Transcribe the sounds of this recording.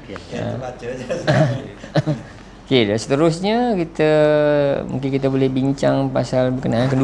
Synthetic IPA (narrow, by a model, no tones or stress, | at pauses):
kedasə̥t̪əɾʊsɲakit̪a | mṵŋk̬ɪnkit̪̬abolɛhbiɲt͡ʃaŋpasalbəkənakəndu